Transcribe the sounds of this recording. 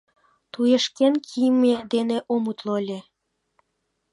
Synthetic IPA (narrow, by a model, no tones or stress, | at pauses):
t̪ujeʃkenkʰijmed̪eneʔomut̪lolʲe